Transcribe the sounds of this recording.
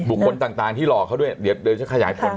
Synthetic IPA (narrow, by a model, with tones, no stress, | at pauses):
bu˨˩kʰːo˧nt̪aː˨˩ŋt̪aː˨˩ŋt̪ʰiː˥˩lɔː˨˩kʰa˦˥˩du˥˩əjdi˨˦t̚ɗɤː˧nt͡ɕʰa˦˥kʰa˧jaː˨˩˦jpʰo˧˦n